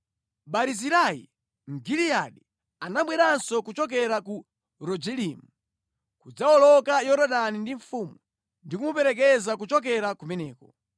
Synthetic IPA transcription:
ɓaɾiziɾajḭ | m̩ɡilijaɗi | anaɓwɛɾansɔkut͡ʃɔk̬ɛɾaku | ɾɔd͡ʒɛlimu | kud͡zaɔlɔkajɔɾɔɗanindiɱ̩fuːmu | ndikumupɛɾɛk̬ɛzakut͡ʃɔk̬ɛɾakumɛnɛːkɔ

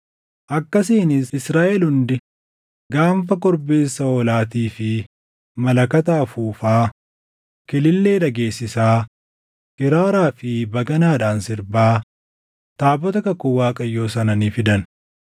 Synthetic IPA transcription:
ʔɐkːɐsiːnɪsɪsɾaːʔɛlhʊnd̪ɪ | ɡaːmfɐkɔɾbe̞ːsːɐɔlaːt̪̬iːfɪ | mɐlɐkɐt̪aːfuːfaː | kɪlɪlːe̞ːᶑɐɡe̞ːsːɪsaː | hɪɾaːɾaːfɪbɐɡɐnaːᶑaːnsɪɾbaː | t̪aːbɔt̪ɐkɐkːʊwaːkʼɐjːo̞ːsɐnɐniːfɪd̪ɐn

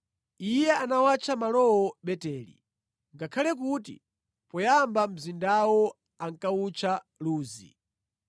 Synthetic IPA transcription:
ijɛanawat͡ʃʰamalɔwɔɓɛtɛːlḭ | ŋɡakʰalɛk̬utḭ | pɔjambam̩zindawɔ | aŋkaut͡ʃʰa | luːzḭ

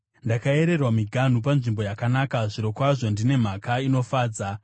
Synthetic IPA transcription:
ndakae̞ɾe̞rwamiɡʱan̤up̬anʐimbo̞jakanaːkaʐiɾo̞kwaʐo̞ndine̞m̤akaino̞faːd͡za

